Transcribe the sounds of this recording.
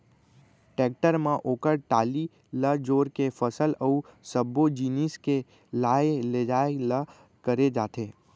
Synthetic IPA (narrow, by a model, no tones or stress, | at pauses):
ʈek̚ʈəɾmãʔokəɾʈali | ləd͡ʒoːɾkefʰəsələusəbod͡ʒiniske | lajled͡ʒaelə | kəɾed͡ʒaːt̪ʰe